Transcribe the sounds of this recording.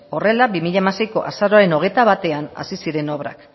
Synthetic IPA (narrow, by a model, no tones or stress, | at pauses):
o̞re̞labimiʎaemase̞jko̞̰ʔasaɾoaɾe̞no̞ɣe̞jt̪aβat̪e̞ana̰sisiɾe̞noβ̞ɾa̰k